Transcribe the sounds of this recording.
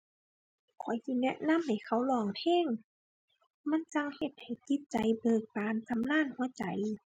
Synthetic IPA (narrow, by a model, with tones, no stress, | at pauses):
kʰɔ˨˩˦jt̪ʰiː˧˩nɛ˧˥ʔna˧˥˨mha˨˩jkʰa˧˩wlɔː˧˩ŋt̪ʰeː˧˥˨ŋ | ma˧˥˨nt͡ɕa˧ŋhe˧˩t̪̚ha˨˩jt̪i˧˥t̪̚t͡ɕa˨˦jbɤː˨˩k̚paː˨˧ntʰa˧˦mlaː˧˥˨nhu˧˦ɐt͡ɕa˨˦j